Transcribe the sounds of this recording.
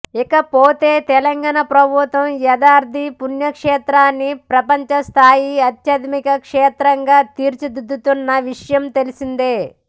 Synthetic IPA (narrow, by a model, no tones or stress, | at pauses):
ikɐpoːt̪e̞ːt̪ɛlɐŋɡaːɳɐpɾɐbʱut̪ʋɐmjɐd̪aːɾd̪ʱipunjɐkʂɛːt̪ɾaːnːipɾɐpɐɲt͡ʃɐst̪ʰaːjiɐt̪jɐd̪mikɐkʂɛːt̪ɾɐŋɡaːt̪iːɾt͡ʃid̪ud̪ːut̪unːɐʋiʂɐjɐmt̪elisind̪eː